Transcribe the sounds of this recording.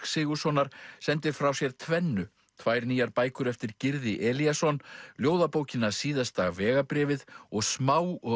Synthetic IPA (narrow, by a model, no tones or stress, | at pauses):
ksɪːɣʏ̥sɔnaɾ̥sɛnt̪ɪɾ̥fɾawsjɛɾ̥t̪ʰvɛnːʏ | t̪ʰvaːjɾniːjaɾpaːjkʏɾɛft̪ɪɾcɪɾðɪʔɛːliasɔnljoːwðapoːwcɪnːasiːðast̪aɣvɛːɣapɾɛːvɪðɔɣsmaːwɔ